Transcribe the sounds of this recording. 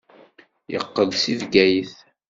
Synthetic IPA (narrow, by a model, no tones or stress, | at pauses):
jə̰qːəðsivɡæjiθ